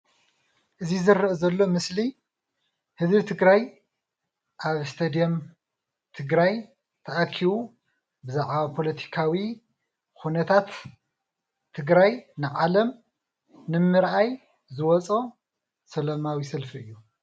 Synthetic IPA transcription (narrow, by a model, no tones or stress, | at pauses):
ʔɨzizɨɾːɨzɐlːo̞mɨsli | hɨzbit̪ʰɨɡɾaj | ʔaβst̪ʰɐd̪ijom | t̪ʰɨɡɾaj | t̪ʰɐʔakʰːiβu | bɨzaʕβapʰo̞lɐt̪ʰi̥kʰawi | xunɐt̪ʰat̪ | ɨɡɾajnɨʕalɐm | nɨmɨɾʔaj | zɨwɔt͡sʼo | sɐlɐmawisɐlfiɨjːu